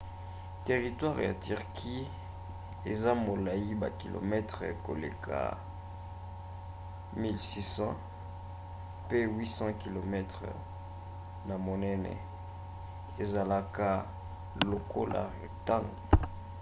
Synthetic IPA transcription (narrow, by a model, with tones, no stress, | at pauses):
te˨ʁi˨twa˦ʁja̰˨ty˨ʁkʰi˦ | e˨za˦mo˨la˨ji˦ba̰˨ki˨lo̰˨mɛ˦tʁɛ˨ko̰˨le˨kʰa̰˨ | mi˦lsi˦sɑ̃˦ | pe˦wi˦sɑ̃˦ki˨lo˨mɛ˦tχə̰˨ | na˨mo˨nɛ˦nɛ̰˨ | e˨za˨la˦ka˦ | lo˨kʰo˦lʔa̰˨ʁi˨ta˦ŋ